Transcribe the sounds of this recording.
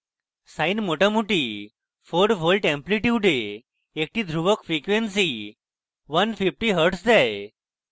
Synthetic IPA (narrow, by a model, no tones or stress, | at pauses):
sainmoʈamuʈi | foɖbʱolʈẽmpliʈiʋɖeː | k̚ʈiːd̪ʱɾuʋəkfɾikʋensi | ʋənfifʈiːɦəɾʈsd͡zaj